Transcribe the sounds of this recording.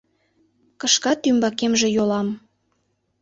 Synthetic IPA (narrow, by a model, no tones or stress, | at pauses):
kɤʃkɑt̪ːymbɑkemʒĕjolɑm